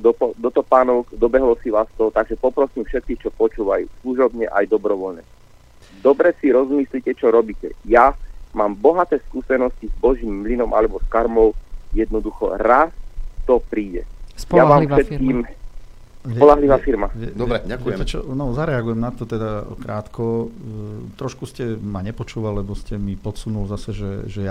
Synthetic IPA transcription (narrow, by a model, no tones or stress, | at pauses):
d̪ɔpɔd̪ɔt̪ɔpaːnɔkd̪ɔbɛɦlɔsiʋaːst̪ɔt̪aɡʒɛpɔpɾɔsiːmfʃɛt̪̚kiːxt͡ʃɔpɔt͡ʃuːʋajṵsluʒɔbɲɛʔa̰jd̪ɔbɾɔʋɔlɲɛ̰ | d̪ɔbɾɛsiɾɔzmislicɛt͡ʃɔɾɔbiːcɛ̰jamaːmbɔɦat̪ɛːskuːsɛnɔscizbɔʒiːmːlinɔmʔa̰lɛbɔskaɾmɔʊjɛd̪nɔd̪uxɔ̰ɾast̪ɔpɾiːɟɛ̰sɔammaːfɛt̪kiːm | sʋpɔlaɦliʋaːfiɾmaɛɛɾɛakɛɛt͡ʃɔnɔzaɾɛaɡujɛmnat̪ɔt̪ɛd̪akɾaːt̪kɔ | t̪ɾɔʃkuscɛmaɲɛpɔt͡ʃuːʋallɛbɔscɛmipɔt̪sunulzasɛʒɛʒɛja